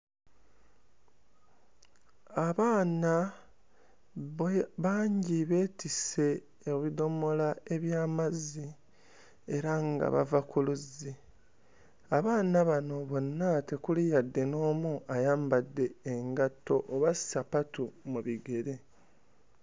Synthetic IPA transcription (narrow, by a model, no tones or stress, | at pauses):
aβaːna | βaːɲɟiβe̞ːtise̞ː | βido̞mo̞lae̞βjaːmazi | e̞ɾaŋɡa̰βa̰vakuluzi | aβaːnaβano̞βo̞nːate̞kulijadːe̞no̞ːmuajaːmbadːe̞ːŋɡatːo̞ʔoβasi̥sapatumuβiɡe̞ɾe̞